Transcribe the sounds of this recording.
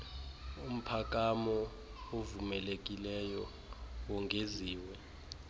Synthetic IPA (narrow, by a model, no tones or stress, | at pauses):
um̩pʰak̬ʼamɔ | ovumɛlek̬ʼilɛjɔ | wɔŋʱeziːwɛ